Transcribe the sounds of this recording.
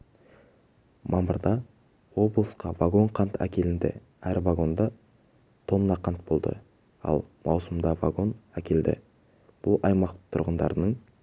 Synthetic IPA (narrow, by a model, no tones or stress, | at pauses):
mɑməɾd̪ɑ | wo̞blˠəsqɑvaɡo̞ɴqʰɑnt̪ʰæ̰kʲʰe̞lɪnd̪ḛ | æɾvaɡo̞nd̪ɑ | t̪ʰo̞nnɑqʰɑnt̪̚bo̞lˠd̪ə̰ | ɑ̰lˠmɑwsəmd̪ɑvaɡo̞nækʲʰe̞ld̪ɪ̰ | b̥ʊlˠʔɑjmɑqt̪ʰʊɾʁənd̪ɑ̰ɾənəɴ